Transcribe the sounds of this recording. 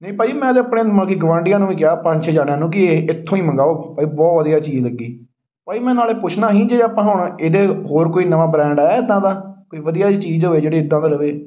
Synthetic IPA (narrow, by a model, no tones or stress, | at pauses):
nəĩːpaːiːmɛ̃ːəd̪eəpɽeːməlkiːɡəʋãːɳɖɪjãːnũːʋĩːkɪjaːpəɲt͡ʃʰeːd͡ʒaːnejaːnũːkɪeːɪt̪ʰːõːĩːmə̃ŋɡaːoːpaːiːbɔːt̪ʋəd̪ijaːt͡ʃiːd͡ʒləɡːiː | paːiːmɛ̃ːnaːleːpʊt͡ʃʰnaːɦĩːd͡ʒeːaːpãːɦaːʊɳaːʔeːd̪eːɦoːɾkoːiːnəʋaːbɾɛ̃ːɳɖɛːɪd̪ãːd̪aːkoːiːʋəd̪ijaːt͡ʃiːzɦoːeːd͡ʒeːɽeːɪd̪ːãːd̪eːləʋeː